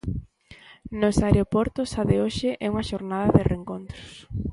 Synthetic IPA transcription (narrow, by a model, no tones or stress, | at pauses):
nosaeɾeopɔɾt̪osaðɪoʃɪʔɛuŋɐʃoɾnaðɐðɪreŋkont̪ɾʊs